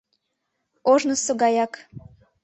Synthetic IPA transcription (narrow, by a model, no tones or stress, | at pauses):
oʒnəsoɡɑjɑk